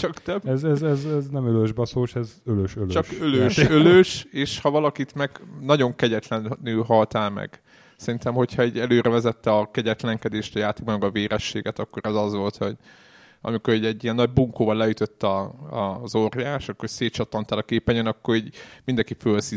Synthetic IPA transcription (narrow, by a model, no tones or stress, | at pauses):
t͡ʃɒkt̪ɛbɛzɛzɛzɛznɛmøløʒbɒsoːʃɛzøløʃøløt͡ʃɒʃkøløʃøløʃeːʃhɒvɒlɒkit̪mɛɡnɒɟo̞ŋkɛɟɛt̪lɛnnylɦɒlt̪aːlmɛ̰ɡ̥ | sɛɾint̪ɛmho̞chɒɛɟɛløːɾʔɛvɛzɛt̪ːɛɒkɛɟɛt̪lɛŋkɛd̪eːʃt̪ɒjaːt̪eːɡbɒmɛɡɒveːɾɛʃːeːɡɛt̪ɒkːo̞ɾɛzɒzʋo̞lt̪ho̞ɟ | ɒ̰miko̞ɾɛɟɛɟːiɛnːɒɟ̚buŋkoːvɒlːɛjyt̪øt̪ːɒɒzorjaːʃɒkːorseːt̪t͡ʃɒt̪ːɒnt̪aːlɒkeːpɛɲønɒkːoɾiɟmind̪ɛŋkifølsi